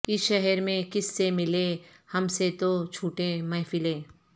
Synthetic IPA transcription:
kɪʃɛɦɛɾmẽkɪsːemɪle | hɐmset̪ot͡ʃʰuːʈẽmɐɦfɪlẽː

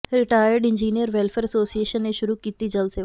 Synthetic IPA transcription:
ɾɪʈaːjəɾɖɪ̃ɲd͡ʒiːnijəɾʋeːlfeːɾɐsoːsieːʃənːẽʃʊɾukiːt̪id͡ʑɐlse

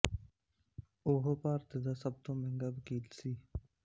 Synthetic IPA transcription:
oːɦopaːɾt̪ɪd̪aːsəb̚t̪õːmẽŋɡabkiːlsiː

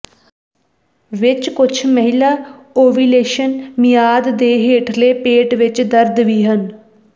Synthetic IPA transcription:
ʋɪt͡ʃkʊt͡ʃʰməɦɪlaːoːʋiːleːʃənmɪjaːd̪ːeːɦeːʈʰleːpeːʈʋɪt͡ʃd̪əɾd̪ʋiːɦən

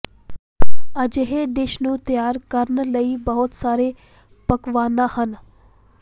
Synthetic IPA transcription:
əd͡ʒɦeɖ̪ɪʃnũːt̪jaːɾkəɾnləibəɦʊt̪saːɾe | pəkʋaːnd̪aːhən

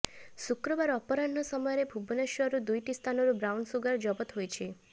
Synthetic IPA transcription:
sukɾɔbaɾɔpɔɾanːɔsɔmɔjɾebʱubɔneʃjɔɾud̪ujʈist̪ʰanɔɾubɾawɳɖsuɡaɾd͡ʒɔbɔt̪ɦojt͡ʃʰe

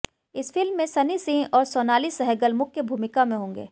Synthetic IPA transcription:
ɪsfɪlmːẽsɐnisĩɔːɾsɔːnaːlisɐɦɛɡəlmʊkʰːjebʱuːmɪkamẽɦõːŋɡḛː

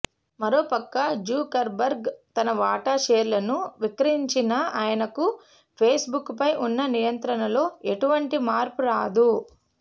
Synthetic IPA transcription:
mɐɾo̞ːpɐkːɐd͡ʒuːkɐɾbɐɾɡt̪ɐnɐʋaːʈaːʃeːɾulɐnuʋikɾɐiɲt͡ʃinɐaːjɐnɐku | pʰeːsbukːpɐjʔunːɐnijɐnt̪ɾɐnɐlo̞ːeʈuʋɐɳʈimaːɾpuɾaːd̪u

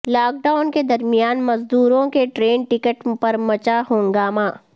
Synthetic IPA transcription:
laːk̚ɖaːʊnked̪ɐɾmijaːnmɐzd̪uːɾõkeʈɾeːnʈɪkəʈpɐɾmɐt͡ʃaɦõːŋɡaːmaː

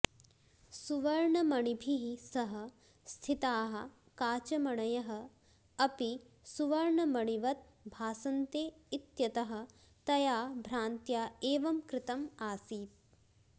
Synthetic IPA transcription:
suʋɐɾɳɐmɐɳibʱiɦisɐɦɐ̆ | st̪ʰit̪aːɦɐ̆ | kaːt͡ʃɐmɐɳɐjɐɦɐ̆ | ɐpi | suʋɐɾɳɐmɐɳiʋɐt̪̚ | bʱaːsɐnt̪eːit̪jɐt̪ɐɦɐ̆ | t̪ɐjaːbʱɾaːnt̪jaːeːʋɐmkɾɪt̪ɐmaːsiːt̪̚

